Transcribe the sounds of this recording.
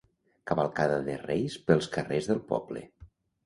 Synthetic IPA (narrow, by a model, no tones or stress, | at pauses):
kəβəlˠkaðəðərejspəlˠskərezðəlˠpɔ̰blə̰